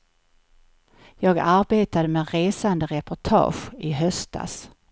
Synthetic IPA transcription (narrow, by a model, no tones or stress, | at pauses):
jɑːɡaɾbeːt̪ad̪əmeɾeːsand̪əɾɛpʊʈʰɑ̰ːɧɪɦœst̪̚a̰s